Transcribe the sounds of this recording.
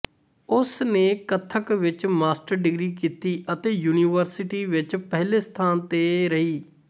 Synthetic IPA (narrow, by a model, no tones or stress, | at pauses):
ʊsneːkət̪ʰːəkʋɪt͡ʃmaːsʈəɾɖɪɡɾiːkiːt̪iːʔət̪eːjuːniːʋəɾsɪʈiːʋɪt͡ʃpɛɦleːst̪ʰaːnt̪eːɾəɦiː